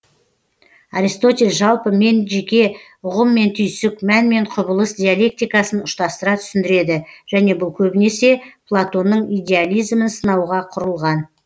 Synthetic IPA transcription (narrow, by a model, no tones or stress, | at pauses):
aɾijst̪o̞t̪ʲe̞lʲʒɑlˠpəme̞nʒe̞kʲe̞ | ʊʁəmːe̞nt̪ʰʏjsɪkmænme̞ɴqʰʊbəlˠəsd̪ʲijalʲˠe̞k̚t̪ijkɑsənʊʃt̪ɑst̪əɾɑt̪ʰʏ̥sɪnd̪ɪɾe̞d̪ɪʒ̥æne̞bʊlˠkʲʰɵbɪne̞se̞pʰlˠat̪o̞nːəɴijd̪ʲe̞alʲijzmənsənɑwʁɑqʰʊɾəlˠʁɑn